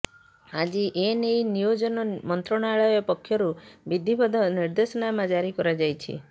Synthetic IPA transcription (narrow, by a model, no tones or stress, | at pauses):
ad͡ʒiʔenejnijod͡ʒɔnɔmɔnt̪ɾɔɽ̃aɭɔjepɔkʰːjɔɾubid̪ʱibɔd̪ʱɔniɾd̪esɔnamad͡ʒaɾikɔɾad͡ʒajt͡ʃʰḭ